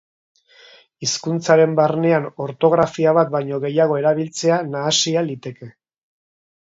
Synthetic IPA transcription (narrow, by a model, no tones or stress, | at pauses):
iskunt͡saɾe̞mbarne̞ano̞ɾt̪o̞ɣ̞ɾafiaβat̪̚bajɲo̞ɣe̞jaɣ̞o̞e̞ɾaβ̞ilt͡se̞anaːsialit̪e̞ke̞